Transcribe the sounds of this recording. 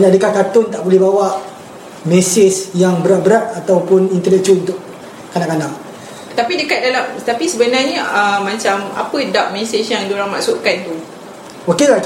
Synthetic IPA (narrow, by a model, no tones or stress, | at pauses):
ɲaʔdəkakat̪ʊnt̪aʔbolɛhbawaʔ | mɛsɪsjaŋbəɾat̪̚bəɾat̪̚at̪awpʊnint̪ənɛk̚t͡ʃuunt̪ʊʔ | kanaʔkanaʔ | t̪apidəkat̪̚dalamt̪apisəbənarɲəəmːãt͡ʃama̰pədap̚mɛsɪsjaŋdoɾaŋma̰ʔsuʔkant̪u | okela